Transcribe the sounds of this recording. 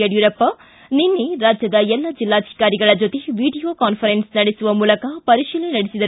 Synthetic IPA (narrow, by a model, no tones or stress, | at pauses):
jɐjuːɾɐpːɐ | ninːeɾaːd͡ʒjɐd̪ɐɛlːɐd͡ʒilːaːd̪ʱi̥kaːɾiɡɐɭɐd͡ʒot̪eʋiːɖijoːkaːnpʰɐɾensnɐɽesuʋɐmuːlɐkɐpɐɾiʃiːlenɐɽesid̪ɐɾ